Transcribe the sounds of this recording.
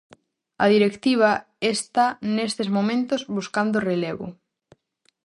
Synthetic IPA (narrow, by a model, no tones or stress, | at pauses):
ɐ̰ð̞iɾekt̪iβ̞a | est̪anest̪ezmomẽnt̪ozβuskand̪oreleβʊ̰